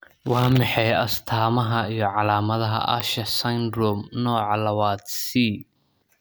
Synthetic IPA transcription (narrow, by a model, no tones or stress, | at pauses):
wɑːmɑħɛjɐst̪ʰaːmɐɦɐijɞʕɑlaːmɐðɐɦɐ̰ʔɐ̰ʃɐsɐnd̪ɾɔmnɔːʕɑlɐwaːd̪siː